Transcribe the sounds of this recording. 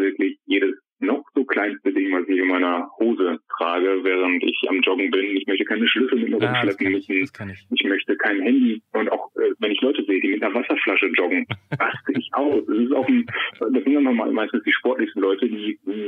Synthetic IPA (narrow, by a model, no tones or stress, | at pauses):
vɪɐklɪçjeːɾəs | nɔχz̥oːkʰl̥aɪnstədɪŋvasɪçɪnmaɪnɐhoːzətʁ̥aːɡəvɛːʁ̞əntɪ̰çʔa̰md͡ʒɔɡŋ̩bɪnʊntɪçmœçtəkʰaɪnəʃlʏsl̩mɪt̚miːɐʁʊmʃlɛpn̩mʏsn̩ʔɪçmœçtəkʰaɪnɦɛndiʔʊntaʊxʔɛːvɛnɪçlɔʏtəzeːədiːmɪtnɐvasɐflaʃəd͡ʒɔɡŋ̩ʁ̥astəʔɪçʔaʊsd̥ɛsɪstaʊxndasz̥ɪntaɪmama̰maɪstn̩sd̥iːʃpɔɐtlɪçstn̩lɔʏtədiːdiː